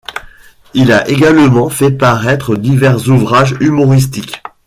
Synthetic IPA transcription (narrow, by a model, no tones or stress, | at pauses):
ilaʔeɡalmɑ̃fɛpaʁɛt̪χəd̪ivɛʁzuvʁaʒymɔʁis̬t̪ik